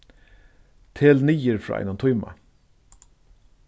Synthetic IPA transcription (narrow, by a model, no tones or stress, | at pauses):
t̪ʰeːlniːəɾfɹɑ̰ːʔɪ̰nɔmt̪ʰʊʏmɑ̰